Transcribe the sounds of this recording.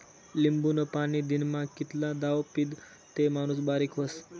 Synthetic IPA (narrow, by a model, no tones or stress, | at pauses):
limbunopanid̪inmãkit̪lãd̪aʋpid̪ | t̪emañus̬baɾikʰos